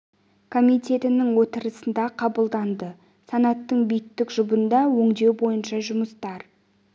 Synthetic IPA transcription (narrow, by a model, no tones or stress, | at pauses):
kʰo̞mijt̪ʲʰe̞t̪ɪnɪŋwo̞t̪əɾəsənd̪ɑqʰɑbəlˠd̪ɑnd̪ə | sɑnɑt̪ːəɴbijɪt̪ːɪkʒʊbənd̪ɑwɵŋd̪e̞wbo̞jənʃɑʒʊməst̪ɑɾ